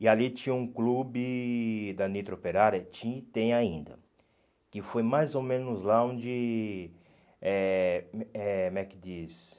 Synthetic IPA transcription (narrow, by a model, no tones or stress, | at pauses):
ialit͡ʃĩɲɐũklubɪd̪ɐnit̪ɾopeɾaɾɐt͡ʃĩit̪ẽj̃aĩnd̪ɐ̰ | kɪfojmajzomẽnʊzlaõnd͡ʒɪ | ɛ | ɛmɛkɪd̪is